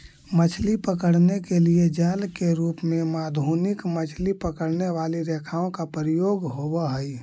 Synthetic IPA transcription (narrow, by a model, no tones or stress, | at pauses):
mət͡ʃʰlipəkəɽnekelied͡ʒaːlkeɾuːpmemaːd̪ʱuːnɪkmət͡ʃʰlipəkəɽneʋaliɾekʰaːõkapɾijoːɡɦobəɦəj